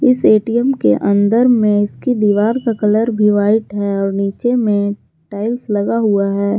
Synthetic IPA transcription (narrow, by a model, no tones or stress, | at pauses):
ɪseːʈijəmkḛʔə̃nd̪əɾmẽɪskid̪iːʋaːɾkakɐləɾbʱiʋaːɪʈɦɛɔːɾniːt͡ʃemẽ | ʈaːɪlslɐɡaɦuaɦɛː